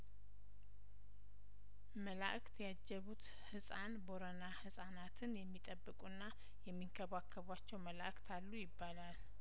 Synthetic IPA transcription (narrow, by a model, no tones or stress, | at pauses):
məla̰ʔkt̪ʰjad͡ʒːɛβut̪ | hɨsʼanboɾənahɨsʼanat̪ʰɨnjɛmːit̪ʼəbːɨkʼunːa | jɛmːiŋkʰəβakʰːəβat͡ʃːɛwməla̰ʔkt̪ʰalːujɪbːalal